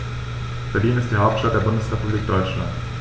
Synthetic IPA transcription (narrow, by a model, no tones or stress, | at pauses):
b̥ɛɐdiːnɪstd̥iːhaʊp̚tʃtat̚d̥eːɐbʊndəsʁɛpubliːk̚d̥ɔʏt͡ʃla̰nt